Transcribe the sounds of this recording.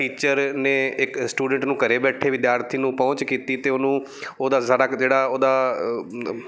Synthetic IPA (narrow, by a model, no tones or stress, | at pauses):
ʈiːt͡ʃəɾnẽɪksʈuːɖə̃ɳʈnũːkɐɾebɛːʈʰeʋɪd̪jaːɾt̪ʰinũpɐʊ̃ɲt͡ʃkiːt̪it̪eʊnũ | oːd̪asaːɽad͡ʒeːɽaoːd̪a